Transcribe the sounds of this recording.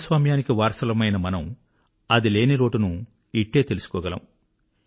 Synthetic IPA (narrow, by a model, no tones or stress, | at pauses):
sʋaːmjaːnikiʋaːɾsɐlɐmɐjnɐmɐnɐm | ɐd̪ile̞ːniɾo̞ːʈunu | iʈːe̞ːt̪e̞lusu̥kɔːɡɐlɐ̰m